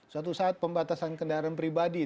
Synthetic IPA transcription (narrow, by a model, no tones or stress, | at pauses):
sat̪̬usaːt̪̚pəmbat̪asankəndaɾanpɾibadi